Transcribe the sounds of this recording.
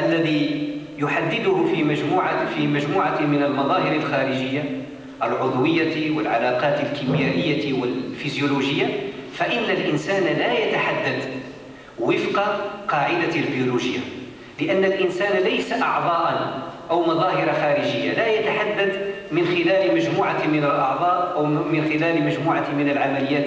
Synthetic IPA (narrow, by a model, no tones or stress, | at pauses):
ʔælːæðijʊħad̪ːɪd̪ʊhʊfimæʒmuːʕafimæʒmuːʕamɪnəlmɑðˤɑːhɪɾəlxæːɾəʒɪjːa | ʔəlʕʊd̪ˤwɪjːawɪlʕalɑqɑːt̪əlkʰimjæːʔɪjːawəlfizjuluʒəjːafaʔɪnːalʔɪnsæːnlæjat̪aħad̪ːad̪ | wɪfqɑqɑːʕɪd̪albijuluʒəjːa | lɪʔænːəlʔɪnsæːnlejsaʔɑ̰ʕd̪ˤɑːʔɑnʔəwmɑðˤɑːhɪɾaxæɾəʒɪjːa̰læjat̪aħad̪ːad̪ | mɪnxɪlæːlməʒmuːʕamɪnəlʔɑʕd̪ˤɑːʔʔəwmɪnxɪlæːlmæʒmuːʕamɪnəlʕamælɪjːæːt̪